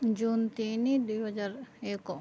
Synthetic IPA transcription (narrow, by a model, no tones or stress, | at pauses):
d͡ʒuːnt̪inid̪ujɦɐd͡ʒaɾeːko